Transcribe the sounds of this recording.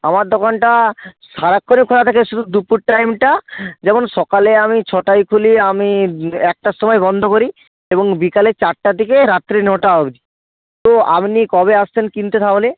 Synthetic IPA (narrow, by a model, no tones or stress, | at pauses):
amaɾd̪okanʈa | ʃaɾakʰːonikʰolat̪ʰakeʃud̪ʱud̪upuɾʈajmʈad͡ʑɛmonʃɔkaleamit͡ɕʰɔʈajkʰuliamiɛk̚ʈaʃɔmɔebɔnd̪ʱokoɾi | eboŋbikaleɾt͡ɕaʈʈad̪ikeɾat̪ːɾinoʈaɦobi | t̪oa̰pnikɔbeast̪ʰenkint̪et̪ʰaole